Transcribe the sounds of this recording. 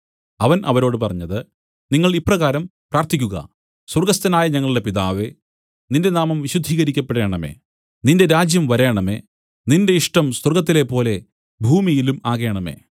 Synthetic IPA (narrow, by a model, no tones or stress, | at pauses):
ɐʋɐnʔɐ̰ʋɐɾo̞ːɽɨpɐrɐɲːɐðɨ | niŋːɐɭipːrɐɣaːɾɐmpraːrt̪ikʲːuɣɐ̰ | swurɡɐst̪ɐnaːjɐɲɐŋːɐɭuɽe̞piðaːʋe̞ | ninde̞naːmɐmʋiɕud̪ʱiːɣɐɾikʲːɐpːeɽe̞ːɳɐmḛː | ninde̞ɾaːd͡ʑjɐmʋɐɾeːɳɐme̞̰ː | ninde̞iʂʈɐmswurɡɐt̪̬ːile̞pːo̞ːle̞ | bʱuːmijilumaːɣe̞ːɳɐme̞̰ː